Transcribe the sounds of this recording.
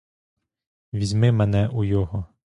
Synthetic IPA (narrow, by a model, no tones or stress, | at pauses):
ʋʲizʲmɪmɛnɛʔujɔɦɔ